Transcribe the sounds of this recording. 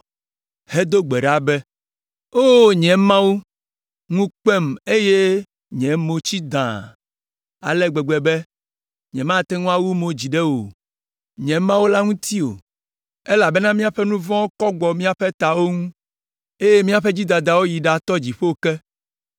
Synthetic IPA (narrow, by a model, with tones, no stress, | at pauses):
he˦d̪o˦ɡ͡bɛ˨ɖa˦bɛ˦ | o˦ɲɛ̃˨mã˦wu˦ | ŋũ˦k͡pɛ˦me˦je˦ | ɲɛ̃˨˦mo˨t͡ɕi˦d̪ã˨ | a̰˨lɛ˦ɡ͡bɛ˨ɡ͡bɛ˨bɛ˦ | ɲɛ̰̃˨mã˦˨t̪ɛ˦ŋũ˦a˦wu˦mo˨d͡ʑi˨ɖɛ˦wo̰˨ | ɲɛ̃˨mã˦wo˦la˦ŋũ˦t̪i˦o̰˨ | e˦la˨bɛ˦nã˦mĩ˦a˨ɸɛ˦nũ˦vɔ̃˦o˦kɔ˦ɡ͡bɔ˨mĩ˦a˨ɸɛ˦t̪a˨wo˦ŋũ˦ | e˦je˦mĩ˦a˦ɸe˦d͡ʑi˦d̪ã˨d̪a˨wo˦ji˨ɖa˦t̪ɔ˦d͡ʑi˨ɸe˦wo˨kɛ˦